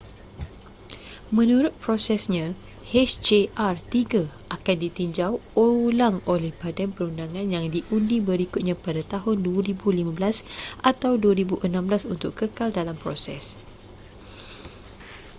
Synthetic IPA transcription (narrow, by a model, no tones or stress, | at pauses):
mə̃nũɾʊt̪̚pɾosɛsɲã | hɛt͡ʃd͡ʒeʔart̪iɡa | akandit̪iɲd͡ʒawolaŋolɛhpadanpəɾundaŋãnjaŋdiʔundibəɾikʊt̪̚ɲãpadat̪aɦʊnduaɾibulimãblasʔat̪awduaɾibuʔənãmblasunt̪ʊkkːəkaldalampɾosɛ̰s